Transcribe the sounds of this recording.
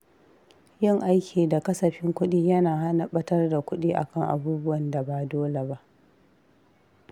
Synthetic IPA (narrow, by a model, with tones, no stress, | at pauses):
jɪ˦ŋʔa˦jkʲʰiː˨da˨kɐ˦sɐ˨ɸɪ˦ŋkʷʊ˦ɗiː˦jɐ˦naː˨ɦa˦nɐ˦ɓɐ˦tɐ˦rda˨kʷʊ˦ɗiː˦ʔa̰˨kɐ˦˨ŋʔa̰˨buː˦bʊ˦wɐ˨nda˨ba˨doː˦le˨ba˦ʔ